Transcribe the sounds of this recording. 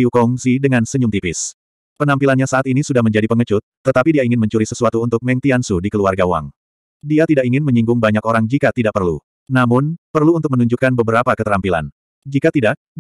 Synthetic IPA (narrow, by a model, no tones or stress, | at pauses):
iukɔŋsidəŋansəɲumt̪ipɪs | pənampilanɲasaʔat̪inisudahməɲd͡ʒadipəŋət͡ʃʊt̪ːət̪apidiaiŋɪnməɲt͡ʃuɾisəsuat̪uːnt̪ʊk̚mɛŋt̪iansudikəluarɡawa̰ŋ | diat̪idakiŋɪnməɲiŋɡʊŋbaɲakoɾaŋd͡ʒikat̪idaʔ̚pərlṵ | namʊnpərluːnt̪ʊk̚mənuɲd͡ʒukanbəbəɾapakət̪əɾampila̰n | d͡ʒikat̪idaʔ̚